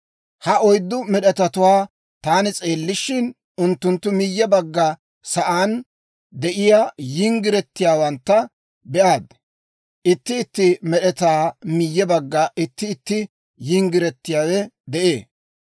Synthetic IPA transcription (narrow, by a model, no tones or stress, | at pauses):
hɐɔjd̪ːʊmɛɗɛt̪ɐt̪ʊwaː | t̪aːnɪt͡sʼe̞ːlːɪʃɪn | ʊnt̪ːʊnt̪ːʊmɪjːɛbɐɡːɐ | sɐʔaːn | d̪ɛʔɪjajɪŋɡɪɾɛt̪ːɪjaːwɐnt̪ːɐ | bɛʔaːd̪ | ʔɪt̪ːɪːt̪ːɪmɛɗɛt̪aːmɪjːɛbɐɡːɐʔɪt̪ːɪːt̪ːɪ | jɪŋɡɪɾɛt̪ːɪjaːwɛd̪ɛʔeː